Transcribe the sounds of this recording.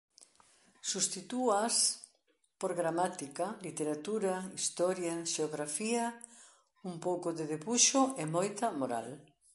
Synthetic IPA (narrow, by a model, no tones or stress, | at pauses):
sust̪it̪uas | poɾɣɾamat̪ikalit̪eɾat̪uɾaist̪ɔɾjaʃeoɣɾafiɐ | umpowkoðeðeβuʃoemojt̪ɐmoɾa̰l